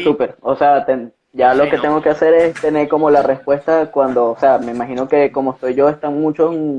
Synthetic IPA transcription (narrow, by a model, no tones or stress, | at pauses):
supe̞ɾo̞se̞at̪eŋ | ɟ͡ʝalo̞ke̞t̪e̞ŋɡoke̞ase̞ɾe̞st̪e̞ne̞ɾko̞mo̞lare̞spwe̞st̪akwand̪o̞ːse̞ame̞imaxino̞ke̞ko̞mo̞est̪o̞jʝo̞e̞st̪aŋmũt͡ʃosŋ